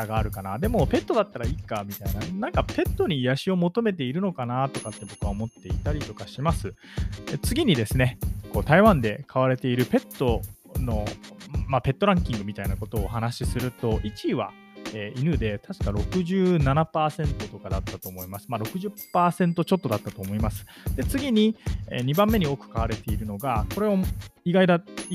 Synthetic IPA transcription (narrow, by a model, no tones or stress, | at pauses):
aɡaːɾɯ̟kanad̪e̞mo̞pe̞t̪ːo̞d̪at̪ːaɾaiːkamʲit̪ainanãŋkape̞t̪ːo̞ɲ̟ijaɕio̞mo̞t̪o̞me̞t̪̬e̞iɾɯ̟no̞kanat̪o̞kat̪ːe̞bo̞kɯ̟aomo̞t̪ːe̞it̪aɾʲit̪o̞kaɕimasɨet͡sɨɡʲiɲ̟id̪e̞sɨne̞ko̞ːt̪aiβãnd̪e̞kʰaβaɾe̞t̪e̞iɾɯ̟pe̞t̪ːo̞no̞mape̞t̪ːo̞ɾãŋkʲĩŋɡɯ̟mʲit̪ainako̞t̪o̞ːɦanaɕisɨɾɯ̟t̪o̞ʔit͡ɕiβa̰ | eʔinɯd̪e̞t̪ʰaɕi̥kaɾo̞kɯ̟ʑɨːnanapaːsẽ̞nt̪o̞t̪o̞kad̪at̪ːat̪o̞ːmo̞imasɨ̥maɾo̞kɯ̟ʑɨpːaːsẽ̞nt̪o̞t͡ɕo̞t̪ːo̞d̪at̪ːat̪o̞ːmo̞imasɨ̥ | d̪e̞t͡sɨɡʲiɲ̟iḛɲ̟ibãmːe̞ɲ̟io̞ːkɯ̟̥kaβaɾe̞t̪e̞iɾɯ̟no̞ɡako̞ɾe̞oiɡaid̪a